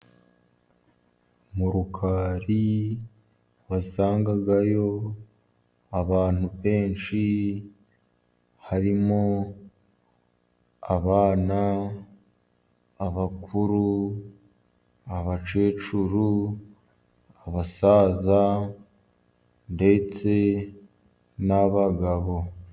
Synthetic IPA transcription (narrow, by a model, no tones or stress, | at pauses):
muɾukʰaːɾi | βasaːŋɡaɡajo̞ | aβaːn̥uβe̞ːnʃi | haɾimo | aβaːna | βakʰuɾu | aβat͡ʃe̞ːt͡ʃuɾu | aβasaːza | nde̞t͡se̞ | naβaɡaβo̞